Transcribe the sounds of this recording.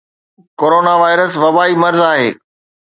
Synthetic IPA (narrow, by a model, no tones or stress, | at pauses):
koːɾoːnaʋaːɪɾəsʋɐbaːimɐɾzaːɦḛː